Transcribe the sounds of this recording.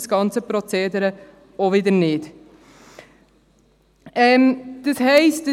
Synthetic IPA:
sɡ̥ɑnt͡səpɾɔt͡seːdəɾə | oʋɪdəɾnɪd | ɛmd̪̥əshɛɪst̚ə

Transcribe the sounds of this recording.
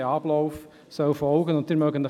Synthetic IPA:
ɛɑblɔʊf | sœʊfɔlɡənʊ̃nt̪̚diːɾmœɡəndə

